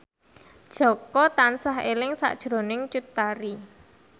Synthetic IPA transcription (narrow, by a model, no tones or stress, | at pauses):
d̥ʒ̥ɔ̤kɔt̪ansaɦḛlɪŋsa̰ʔd̥ʒ̥ɾo̤nɪŋt͡ʃut̪ːaɾi